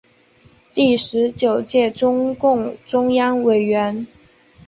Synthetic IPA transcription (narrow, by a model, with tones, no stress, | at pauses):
t̪i˥˩ʂɻ̩˧˥t͡ɕjo˨˩ʊt͡ɕjɛ˥˩ʈ͡ʂʊ˥ŋkʊ˥˩ŋʈ͡ʂʊ˥ŋjɑ˥ŋwe˨˩ɪɥɛ˧˥n